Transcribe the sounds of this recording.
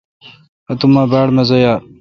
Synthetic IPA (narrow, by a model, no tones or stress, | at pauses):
ɐt̪umaːbaːɽmɐzɐjaː